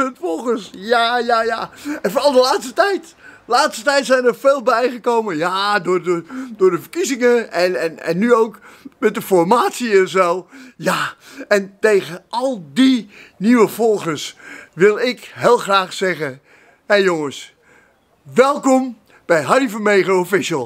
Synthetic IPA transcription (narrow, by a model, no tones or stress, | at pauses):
ətfɔlˠxəsjajajaːɛnfnɑlˠdəlaːtstətɛjt | laːtstətɛjtsɛjnəɹfeːlˠbɛjχəkowmənjaːdʊːɹdədʊːɹdəfərkizɪŋəɛnɛnɛ̰nːyowkmɛt̚dəfɔɹmaːtsiɛnsowjaːɛntejɣəʔɑlˠdiniʋəvɔlˠχəɹsʋɪlˠɪkɦeːlˠχraːχsɛχə | hɛjoŋəs | ʋɛlˠkɔm | b̥ɛjɦɑrivəmejχofɪʃəlˠ